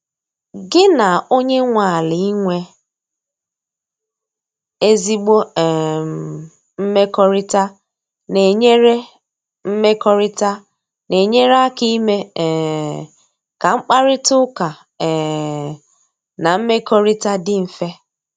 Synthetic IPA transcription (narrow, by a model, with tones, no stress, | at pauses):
ɡɪ˦na˨o˦ɲe˦ŋʷa˨a˨li˨i˦ŋʷe˦ | e˦zi˦ɡ͡bo˦˨ | m̩˦me˦kɔ˦ɾɪ˦ta˦ | ne˨ɲe˦ɾe˦ | m̩˦me˦kɔ˦ɾɪ˦ta˦ | ne˨ɲe˦ɾa˦ki˦me˦˨ | ka˨ŋ͡m̩˦k͡pa˦ɾɪ˦tʊ˦ka˨ | ɛ˨ | na˨m̩˦me˦kɔ˦ɾi˦ta˦dɪ˦m̩˨fe˦